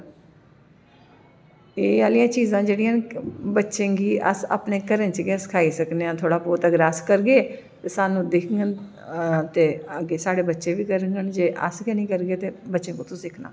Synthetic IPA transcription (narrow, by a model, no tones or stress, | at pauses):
eːaːlijãːt͡ʃiːzãːd͡ʒeːɽijãːbətːʃẽːɡiːʔə̰sa̰ːpneːkəɾənt͡ʃɡsə̥kʰaːiːsəkneãːt̪ʰoːɽaːpoːt̪əɡəɾəskəɾɡeː | t̪eːsaːnũːd̪ekʰŋɡən | t̪eːəɡeːsaːɽeːbətːʃeːʋiːkəɾəŋɡənd͡ʒeːʔə̰skɛːnĩːkəɾɡeːt̪eːbətːʃẽːkõːt̪ʰõːsɪkʰna̰ː